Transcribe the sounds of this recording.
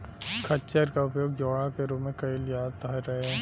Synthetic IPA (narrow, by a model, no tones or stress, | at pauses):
kʰɐt͡ʃəɾkaʊpjoːɡ̚d͡ʒɔːɽãkeɾoːmẽkɐɪlɪjaːt̪əɾɐɦeɦɛ̃ː